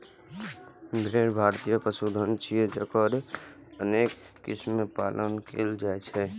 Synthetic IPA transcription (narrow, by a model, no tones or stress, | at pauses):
ɡʱɾeːɾbʱaːɾt̪ijəpəsud̪ʱənt͡ʃʰied͡ʒəkəɾ | əneːkː | ɪ̰smepaːlʔənkʰḛld͡ʒaːet͡ʃʰɛ